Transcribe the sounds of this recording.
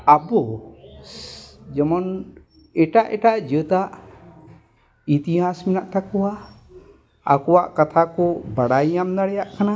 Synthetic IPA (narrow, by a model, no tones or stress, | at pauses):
abɔ | d͡ʒɛmɔn | ɛʈaʔɛʈaʔd͡ʒət̪aʔ | it̪iɦasmɛnaʔt̪akɔwa | a̰kɔwaʔkat̪ʰakɔbaɽajamnaɽɛjaʔkana